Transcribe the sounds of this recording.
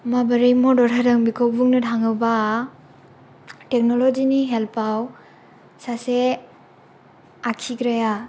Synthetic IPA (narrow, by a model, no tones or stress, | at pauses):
mabɐɾimodɔɾɦadɐŋbikʰowbuŋnɐtʰaŋɐwba | tek̚nolod͡ʒiniɦelpaw | sase | akʰiɡɾaja